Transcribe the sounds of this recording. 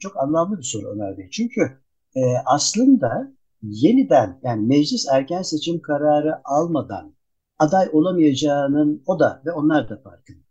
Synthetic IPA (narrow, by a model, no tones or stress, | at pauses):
t͡ʃʰo̞kanlˠamlˠɯbiso̞ɾuo̰næɾd̪et͡ʃʰyɲcʰy | ɛʔaslˠɯnd̪a | je̞nid̪ænjaːnimɛd͡ʒlʲisæɾcænse̞t͡ʃʰimkʰaɾaːɾɯʔalˠmad̪a̰n | ad̪ajo̞lˠamɯjad͡ʒaːnɯno̞d̪a̰vɛo̞nlˠaɾd̪afa̰ɾkʰɯn